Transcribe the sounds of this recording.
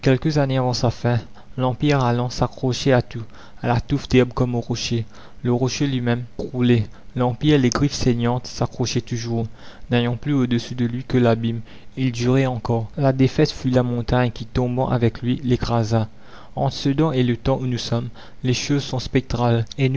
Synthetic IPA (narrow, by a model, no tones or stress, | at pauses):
kʲɛlkəzaneavɑ̃safɛ̃ | lɑ̃piʁalɑ̃sakχɔʃɛat̪u | alat̪ufd̪̥ɛbkɔmoʁɔʃe | ləʁɔʃelɥimɛmkχulɛ | lɑ̃piʁeleɡʁifseɲɑ̃t̪sakχɔʃɛt̪uʒuʁnejɑ̃plyod̪əsyd̪əlɥikəlabim | ild̪yʁɛɑ̃kɔʁlad̪efɛt̪fylamɔ̃t̪aɲkʲit̪ɔ̃bɑ̰̃ʔavɛklɥilekχaza | ɑ̃t̪χəsəd̪ɑ̃elət̪ɑ̃ʔunusɔm | leʃozsɔ̃spɛk̚t̪χalen